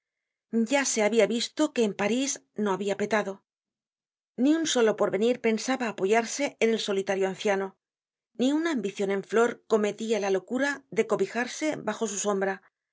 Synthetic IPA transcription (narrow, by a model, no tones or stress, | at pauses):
ɟ͡ʝase̞aβiaβist̪o̞ke̞ːmpaɾiz | no̞aβiape̞t̪aðo̞ | niunso̞lo̞po̞ɾβe̞niɾpe̞nsaβaːpo̞ʝaɾse̞ːne̞lso̞lit̪aɾjoan̟θjano̞ | niunaːmbiθjo̞nẽ̞ɱflo̞ɾko̞me̞t̪ialalo̞kuɾaðe̞ko̞βixaɾse̞baxo̞suso̞mbɾa